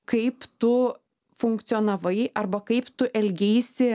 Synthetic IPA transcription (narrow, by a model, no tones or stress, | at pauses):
kɐɪpt̪ʊ | fʊŋkt̪sʲoːnɐʋɐɪʔɐrbɐkɐɪpt̪ʊʔɛlʲɡʲɛːsʲɪ